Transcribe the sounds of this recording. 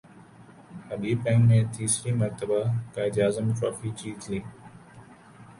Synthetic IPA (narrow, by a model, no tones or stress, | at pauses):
həbiːbɛ̃ːŋmẽːt̪iːsɾiːməɾt̪əbakaːɪd͡ʒaːzəmʈɾɔːfiːt͡ʃiːtliː